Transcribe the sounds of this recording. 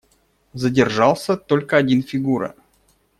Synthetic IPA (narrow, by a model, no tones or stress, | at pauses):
zədʲɪrʐɑlˠsʲət̪o̞lʲkəɐdʲinfʲɪɡuɾə̰